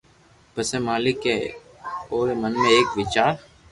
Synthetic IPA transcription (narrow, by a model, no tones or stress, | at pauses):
pəseːmaːlɪkeː | oːɾemənmẽeːkʋɪt͡ʃaːɾ